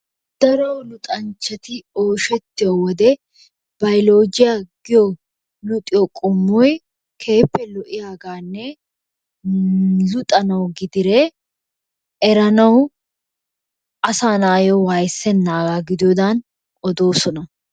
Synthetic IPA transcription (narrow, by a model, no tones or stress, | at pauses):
d̪̥ɐɾɐwlʊt̪ʼɐnt͡ʃːɐt̪ɪo̞ːʃɛt̪ːɪjɔwɔd̪ɛ | b̥ɐjloːd͡ʒɪjaɡ̥ɪjɔ | lʊt̪ʼɪjɔkʼɔmːɔj | kʰe̞ːpːɛlɔʔɪjaːɡaːnːɛ | zʊt̪ʼɐnɐwɡɪd̪ɪɾe | ʔɛɾɐnɐw | ʔɐsaːnaːjɔwajsɛnːaːɡaːɡɪd̪ɪjɔd̪an | ʔɔd̪o̞ːsɔnɐ